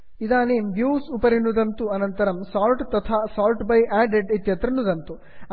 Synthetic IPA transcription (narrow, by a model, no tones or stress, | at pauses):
id̪aːneːmbjuːsupɐɾinːud̪ɐnt̪uɐnɐnt̪ɐɾɐmsaːlʈt̪ɐt̪ʰaːsaːlʈbɐjʔaːɖeɖet̪jɐt̪ɾɐnːud̪ɐnt̪u